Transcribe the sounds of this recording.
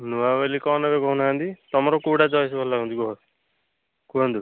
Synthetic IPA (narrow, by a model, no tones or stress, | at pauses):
nuabelikɔnebeɡɔɦunɦãnd̪it̪ɔmɔɾɔkuɽad͡ʒɔjs̬ɔbʱɔllaɡɔ̃nd̪iɡɔɦɔ | kuand̪u